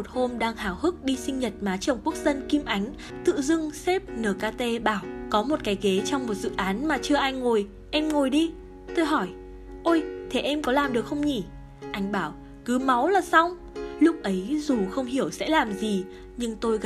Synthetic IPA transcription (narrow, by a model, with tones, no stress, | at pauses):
o˨˩t̚ho˧mɗaː˧ŋhaː˧˩whɨ˦˥k̚ɗi˧sï˧ŋ̟ɲə˨˩t̚maː˨˦t͡ɕə˨˩wŋ͡mku˦˥ək̚zə˧nki˧mʔa˨˦jŋ̟ | t̪ɨ̰˧˨zɨ˧ŋsɛ˦˥p̚nəː˨˩kaː˧t̪e˧ɓaː˧˩wkɔ˨˦mo˨˩t̚kaː˨˦jɣe˨˦t͡ɕɔ˧wŋ͡mmo˨˩t̚z̥ɨ̰˧˨ʔaː˨˦nmaː˨˩t͡ɕɨ˧əʔaː˧jŋo˨˩j | ʔɛ˧mŋo˨˩jɗi˧ | t̪o˧jɦɔ˧˩j | ʔo˧jt̪ʰe˨˩ʔɛ˧mkɔ˨˦laː˨˩mɗɨ˨˩əkxə˧wŋ͡mɲi˧˩ | ʔa˨˦jŋ̟ɓaː˧˩w | kɨ˨˦ma˨˦wlaː˨˩sa˧wŋ͡m | lʊ˦˥k̚ʔə˨˦jzu˨˩xə˧wŋ͡mɦi˧˩əwsɛ̰˧˥laː˨˩mzi˨˩ | ɲɨ˧ŋt̪o˧jɣ